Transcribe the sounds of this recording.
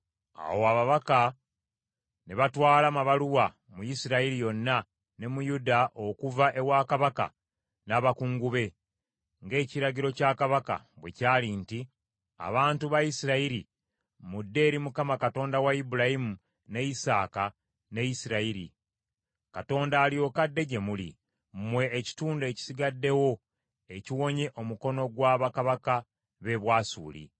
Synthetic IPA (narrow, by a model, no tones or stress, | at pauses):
a̰woaβaβaka | neβatwaːlamaβaluwa | mujisiɾaiɾijo̞nːa | ne̞mujudaʔo̞kuvaʔe̞waːkaβaka̰ | naβakuːŋɡuβe̞ | ŋɡe̞ːciɾaɟiɾo̞caːkaβaka̰ | βwe̞̰caːlinti | a̰βaːntuβajisiɾaiɾi | mudːe̞ːɾimukamakato̞ːndawaibuɾajimu | ne̞jisa̰ːka | ne̞jisiɾaiɾḭ | kato̞ːndaːlio̞kadːe̞ɟe̞mulḭ | mmwe̞ːci̥tuːnde̞ːci̥siɡadːe̞wo̞ | e̞ciwo̞ɲe̞ʔo̞muko̞no̞ɡwaːβakaβaka | βe̞βwaːsṵːlḭ